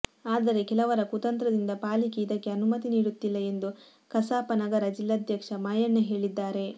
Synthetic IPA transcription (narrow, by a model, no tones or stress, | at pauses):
aːd̪ɐɾe̞kɛlɐʋɐɾɐkut̪ɐnt̪ɾɐd̪ind̪ɐpaːlikeid̪ɐkːe̞ɐnumɐt̪iniːɽut̪ːilːɐe̞nd̪u | kɐsaːpɐnɐɡɐɾɐd͡ʒilːɐd̪ʱjɐkʂɐmaːjɐɳːɐɦe̞ːɭid̪ːaːɾe̞